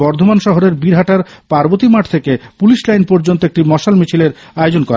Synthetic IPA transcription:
bɔɾd̪ʱomanʃɔɦoɾeɾbiɾɦaʈaɾpaɾbot̪imaʈʰt̪ʰekepuliʃlajnpɔɾd͡ʑont̪oek̚ʈimɔʃalmit͡ɕʰileɾ | aod͡ʑonkɔɾa

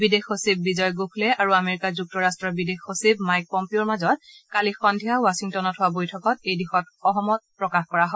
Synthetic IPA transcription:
bidexosib̚ːizɔjɡokʰlɛaɹuameɹikazuk̚tɔɹastɹɔbidexosibmajk̚pɔmpioɹmazɔt̚ | kalixɔndʱijaʊwasiŋtɔnɔthʊwabojtʰɔkɔtejdixɔt̚ | ɔɦɔmɔt̚pɹɔkaxkɔɹaɦɔ

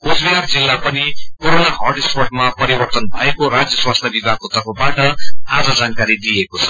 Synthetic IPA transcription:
kosbijard͡zilːapʌnikoɾonaɦʌrɖispoʈmapʌɾibʌrt̪ʌnbʱʌekoɾad͡zjʌswast̪ʰjabibʱaɡ̚kot̪ʌrpʰʌbaʈʌad͡zʌd͡zankaɾid̪ijekot͡sʰʌ̥

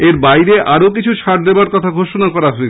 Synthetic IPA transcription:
eɾbajɾeʔaɾok̬it͡ɕʰuʃʰaɾd̪eoaɾkɔt̪ʰaɡʱoʃonakɔɾaɦoe

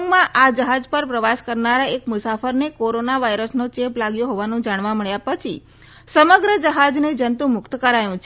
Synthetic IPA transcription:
ŋɡmãʔad͡ʒəɦad͡ʒpəɾpɾəʋaskəɾnaɾaekmʊsafəɾnekoɾonaʋaiɾəsnot͡ʃeplaɡjoɦoʋanũd͡ʒaɽ̃ʋaməɭjapət͡ʃʰḭ | səməɡɾəd͡ʒəɦad͡ʒned͡ʒənt̪ũmʊkt̪kəɾajũt͡ʃʰ

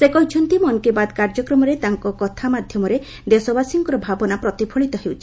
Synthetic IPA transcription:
sekɔɦit͡ʃʰɔnt̪imɔnkebad̪kaɾd͡ʒɔkɾɔmɔɾet̪aŋkɔkɔt̪ʰamad̪ʱjɔmɔɾe | d̪esɔbasiŋkɔɾɔbʱabɔnapɾɔt̪ipʰɔɭit̪ɔɦewt͡ʃʰi̥

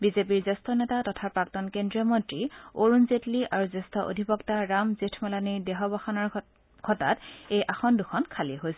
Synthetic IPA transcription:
bizepiɹzestʰɔnɛtatɔtʰapɹaktɔnkendɹiɔmɔntɹioɹunzetliʔaɹuzestʰɔʔo̰dʱipɔktaɹamzitʰmɛlaniɹdɛɦɔbɔxɔnaɹ | ɡʰʱɔta̰tejʔaxɔnduxʰɔnkʰaliɛɦojsɛ

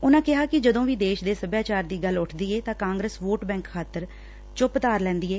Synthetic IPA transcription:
ʊnãːkɪɦaːkɪd͡ʒəd̪õːʋiːd̪eːʃd̪eːsəbjaːt͡ʃaːɾd̪iːɡəlːʊʈʰd̪iːeːt̪ãːkãːŋɡɾəsʋoːʈbɛ̃ːŋkkʰːaːt̪əɾ | t͡ʃʊpt̪aːɾlɛ̃ːnd̪iːeː

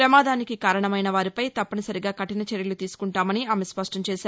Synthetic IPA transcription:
ɾɐmaːd̪aːnikikaːɾɐɳɐmɐjnɐʋaːɾipɐjt̪ɐpːɐnɐsɐɾiɡaːkɐʈinɐt͡ʃeɾjɐlut̪iːsu̥kuɳʈaːmɐniaːmespɐʂʈɐmt͡ʃɛːʃaːɾ

